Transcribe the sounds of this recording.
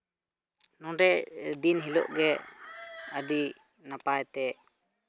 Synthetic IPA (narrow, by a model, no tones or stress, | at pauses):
nɔ̃ɾɛʔd̪inɦilɔ̰ʔɡɛ | əd̪i | napajt̪ɛ